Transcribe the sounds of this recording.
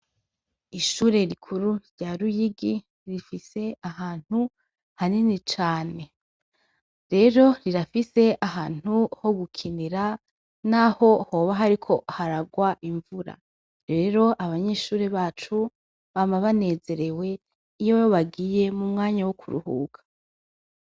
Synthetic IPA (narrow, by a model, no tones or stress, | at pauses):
iʃuːɾe̞ɾikʰuɾuɾɟaɾujiɡi | ɾifise̞ahaːn̥hu | haninit͡ʃaːne̞ | ɾe̞ɾo̞ɾiɾafise̞aɦaːn̥uho̞ɡukʰiniɾa | naho̞ho̞ːβaɦaɾikʰo̞haɾaɡwaʔiɱvuɾa̰ | ɾe̞ːɾo̞ʔaβaɲe̞ʃuːɾeβaːt͡ʃu | βamaβane̞ːze̞ɾe̞we̞ | ijojoβaɡije̞mumŋaːɲawokʰuɾṵhṵːɡ̥ḁ